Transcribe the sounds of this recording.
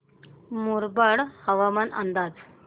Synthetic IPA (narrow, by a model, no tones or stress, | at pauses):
muɾbəɽhəʋamənʔə̰nd̪ad͡z